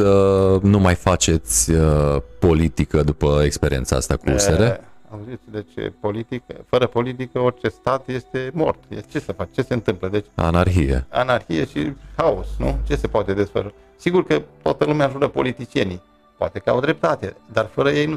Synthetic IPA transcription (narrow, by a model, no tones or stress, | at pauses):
ənumajfat͡ʃe̞t̪sʲəpo̞lit̪ikəd̪upəekspeɾʲiensaa̰st̪akuṵseɾea̰uzit̪sd̪et͡ʃpolit̪ikə̰fəɾəpo̞lit̪̬ikəo̞rʲt͡ʃe̞st̪at̪je̞st̪e̞mo̞̰rt̪jet͡ʃe̞səfat͡ʃt͡ʃe̞se̞ɨnt̪ɨmpləd̪e̞t͡ʃʲa̰narxijḛa̰narçijeʃihaosnṵt͡ʃe̞se̞poat̪e̞d̪e̞sfə̰ʃu | siɡurkət̪oat̪əlumeaʒuɾəpo̞̰lit̪it͡ʃie̞ni | poa̰t̪e̞kəa̰wd̪ɾe̞p̚t̪at̪ed̪arfəɾəje̞jnu